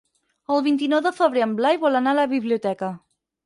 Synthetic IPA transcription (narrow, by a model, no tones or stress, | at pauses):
əlˠβint̪inɔwðəfəβɾeəmblajβɔlanaləβiβliut̪ɛkə